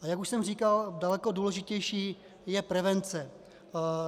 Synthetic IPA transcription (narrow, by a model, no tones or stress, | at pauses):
ʔajakuʃsɛmr̝iːkaldalɛkoduːlɛʒɪcɛjʃiː | jɛpɾɛvɛnt͡sɛ